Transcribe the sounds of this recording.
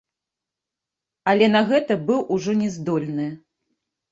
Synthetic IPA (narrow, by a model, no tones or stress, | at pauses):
ɐlʲɛn̪ɐɣɛt̪ɐbɨwʔuʐɔnʲɛzd̪ɔlʲnɨ